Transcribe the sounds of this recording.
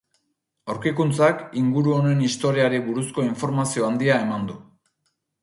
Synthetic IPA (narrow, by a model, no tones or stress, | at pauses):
awɾkikunt͡sakiŋɡuɾuo̞ne̞nist̪o̞ɾiaɾiβuɾusko̞iɱfo̞ɾmasio̞and̪iae̞mand̪u